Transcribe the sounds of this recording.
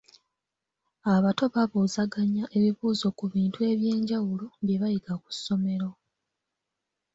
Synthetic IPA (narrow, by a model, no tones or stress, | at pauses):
aβato̞βaβuzaɡaɲːaʔe̞βiβuːzo̞kuβiːntue̞βje̞ːɲɟawuloβje̞βajiɡaku̥sːo̞me̞ɾo̞